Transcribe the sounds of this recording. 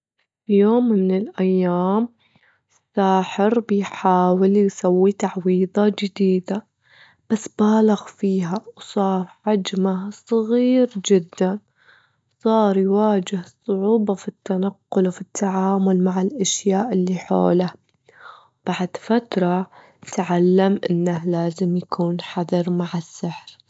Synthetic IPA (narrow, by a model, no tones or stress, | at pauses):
fijoːmɪnɪlʔajːaːm | ɪsːaːħɪɾbɪjħaːwɪljsawːit̪aʕwiːðˤɑd͡ʒɪd̪iːd̪a | b̥asːbaːlaɣfiːɦawsˤɑːɾˤʕad͡ʒmasˤɣiːɾd͡ʒɪd̪ːan | sˤɑːɾˤjwaːd͡ʒɪhsˤʊʕuːbɑfit̪ːanaqːʊlwfit̪ʰːaʕaːmʊlmaʕɪlʔaʃjaːʔɪlːiħo̰ːla | b̥aʕd̪fat̪ɾˤɑ | t̪ʕalːamʔɪ̰nːahlaːzɪmjakʰuːnħaðɑɾˤmaʕɪsːɪħɾ